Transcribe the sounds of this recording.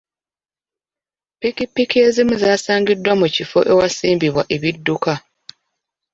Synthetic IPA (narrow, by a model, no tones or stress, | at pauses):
pikipːikie̞zimuzaːsaːŋɡidːwamucifo̞̰ʔe̞wasiːmbiβwa̰ʔe̞βidːuka